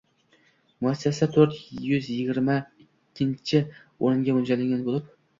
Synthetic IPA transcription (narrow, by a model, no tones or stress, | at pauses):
mʊæsːæsæt̪ʰɵɾt̪jʏzjɪɡʲɪɾmaɪ | kʲʰːɪnt͡ʃʰɪ | oɾɨŋɡʲamʊnd͡ʒalɪŋɡʲanbolˠɪp̚